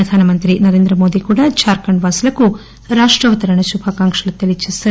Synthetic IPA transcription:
ɾɐd̪ʱaːnɐmɐnt̪ɾinɐɾeːnd̪ɾɐmoːd̪ikuːɽɐt͡ʃaːɾkɐɳɖʋaːsɐlɐkːu | ɾaːʂʈɾɐʋɐt̪ɐɾɐɳɐʃubʱaːkaːŋkʂɐlɐt̪ːɐlit͡ʃisɐ

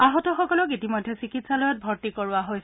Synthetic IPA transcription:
aɦɔtɔxɔkɔlɔkitimɔjdʱɛsikitsalɔjɔt̚bʱɔɹtikɔɹʊaɦojs

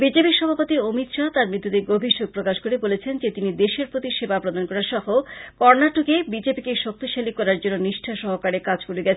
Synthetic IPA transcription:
bid͡ʑepiʃɔbʱapot̪iomit̪ʃat̪aɾmɾit̪ːod̪eɡobʱiʃoɡ̚pɾokaʃkoɾebolet͡ɕʰend͡ʑet̪inid̪eʃeɾpɾot̪iʃebapɾod̪ankɔɾaɾʃɔhokɔɾnaʈukebid͡ʑepikeʃok̚t̪iʃalikɔɾaɾd͡ʑonːoniʃʈʰaʃɔɦokaɾekad͡ʑkoɾeɡɛt͡ɕʰe

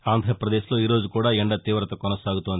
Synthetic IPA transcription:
aːnd̪ʱɾɐpɾɐd̪eːʃlo̞iːɾo̞ːd͡ʒukuːɽaːɛɳɖɐt̪iːʋɾɐt̪ɐkɔnɐsaːɡut̪ond̪

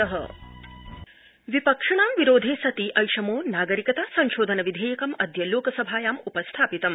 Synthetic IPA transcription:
ɐɦɐ̰ | ʋipɐkʂɐɳaːmʋiɾoːd̪ʱeːsɐt̪iʔɐjʃɐmoːnaːɡɐɾikɐt̪aːsɐɲʃoːd̪ʱɐnɐʋid̪ʱeːjɐkɐmɐd̪ʱjɐloːkɐsɐbʱaːjaːmupɐst̪ʰaːpit̪ɐm

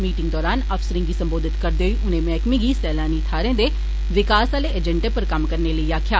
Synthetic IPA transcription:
miːʈɪ̃ŋɡd̪ɔːɾaːnəfsəɾɪ̃ŋɡiːsəmboːd̪ɪt̪kəɾd̪eːɦoiːʔʊnẽːmɛːkmĩːɡiːsɛːlaːniːt̪ʰaːɾẽːd̪eː | ʋɪkaːsaːleʔəd͡ʒə̃ɳʈepəɾkəmkəɾneːləiːaːkʰjaː

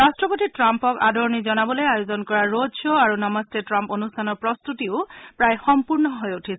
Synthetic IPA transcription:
ɹastɹɔpotitɹampɔka̰dʱɔɹnizɔnabɔlojajozɔnkɔɹaɹodɔaɹunɔmɔstetɹamponustʰanɔɹpɹɔst̪utiʊpɹajxɔmpuɹnɔɦojutʰis

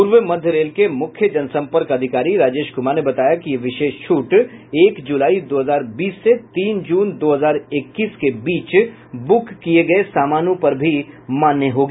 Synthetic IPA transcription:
puːɾʋəmɐd̪ʱjəɾeːlkemʊkʰjəd͡ʒɐnsɐ̃mpəɾkɐd̪ʱɪkaːɾiɾaːd͡ʒeːʃɡʊmaɾnebɐt̪aːjakiʋɪʃeːʃt͡ʃʰuːʈeːkd͡ʒulaːid̪oːɦəzaːɾbiːsːet̪iːnd͡ʒuːnd̪oːɦəzaːɾɪkːiːskebiːt͡ʃ | bʊkːieɡɐesaːmaːnõpɐɾbʱimaːnjəɦoːɡi

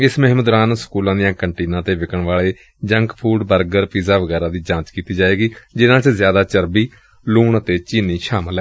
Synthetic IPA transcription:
ɪsməɦməd̪ɾaːnsə̥kuːlãːd̪ɪjãːkəɳʈiːnãːt̪eːʋɪkəɳʋaːɭeː | d͡ʒəŋkpʰuːɖbəɾɡəɾpiːzaːʋəɡɛːɾãːd̪iːd͡ʒãːt͡ʃkiːt̪iːd͡ʒaːeːɡiːd͡ʒɪnãːt͡ʃzjaːd̪aːt͡ʃəɾbiː | luːɳət̪eːt͡ʃiːniːʃaːməlɛː

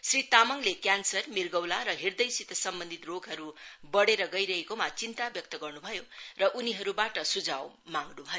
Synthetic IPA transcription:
srit̪amʌŋlekjansʌrmirɡʌwlaɾʌɦird̪ʌjsit̪ʌsʌmbʌnd̪ʱit̪roɡʱɦʌɾubʌɽeɾʌɡʌjɾʌɦekomat͡sint̪abjʌk̚t̪ʌɡʌrnubʱʌjorʌʔuniɦʌɾubaʈʌsud͡zaw | maŋɡnubʱʌjo

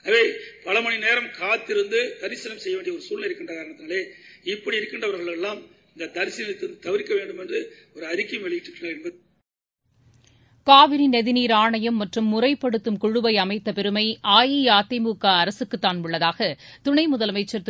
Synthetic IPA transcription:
ʋeːpɐlɐmɐɳineːɾɐmkaːt̪ːɪɾɯnd̪ɯd̪ɐɾɪsɪnɐmsɛjːɐʋeːɳɖjɐɔɾɯsuːlnɐɪɾɯkːɪɳdrɐkaːɾɐɳɐt̪ːnaːleːɪpːɐɽiɪɾɯkːɪɳɖrɐʋɐɾɣɐɭɛlːaːmɪnd̪ɐd̪ɐɾɪsɪnɐnɐt̪ːɪɾɯnd̪ɯt̪ɐʋɪɾɪkːɐʋeːɳɖɯmɛndrɯ | ɔɾɯɐɾɪkːɐmʋɛɭɪjɪʈːrɯʈːnaːɾɛnbɐð | kaːʋɪɾinɛðɪniːɾaːɳɐjɐmːɐʈrɯmːʊrɐɪpːɐɽɯt̪ːɯmkʊɻɯʋɐɪɐmɐɪt̪ːɐpɛɾɯmɐɪʔaːjijaːt̪ːɐmuːkaːɐɾɐsɯkːɯt̪ːaːnmʊɭːɐðaːɣɐt̪ʊɳɐɪmʊðɐlɐmɐɪt͡ʃːɐɾt̪

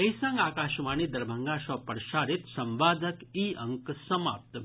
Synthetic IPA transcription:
ejsɐ̃ŋɡaːkaːʃʋaːniːd̪ɐɾbʱəŋɡaʃɔpəɾʃaːɾit̪sɐmʋaːd̪əkiəŋksɐma̰ːp̚t̪ə

